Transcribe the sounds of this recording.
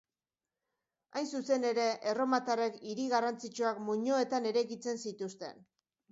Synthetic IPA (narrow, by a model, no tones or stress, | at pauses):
ajnsuse̞ne̞ɾe̞ʔero̞mat̪are̞kiɾiɣarant͡sit͡ʃuakmuɲoe̞t̪ane̞ɾe̞ɣit͡se̞nsit̪ust̪e̞̰n